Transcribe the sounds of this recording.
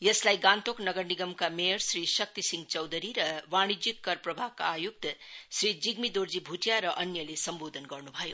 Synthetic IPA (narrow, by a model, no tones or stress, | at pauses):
jʌslajɡãnt̪oknʌɡəɾniɡʌmkameɾsɾisʌk̚t̪isiŋɡt͡ʃʌwd̪ʱəɾiɾʌʋañid͡ʒikːʌɾpɾʌbʱakaːjuk̚t̪sɾid͡ʒiɡmid̪oɾd͡zibʱutjaɾʌʔʌnjʌlesʌmbod̪ʱənɡʌɾnubʱʌjo